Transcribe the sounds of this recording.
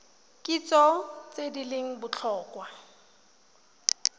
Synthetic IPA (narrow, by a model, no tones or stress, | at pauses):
kʼit͡sɔt͡sʼedileŋ̩bʊt͡ɬʰɔːkwa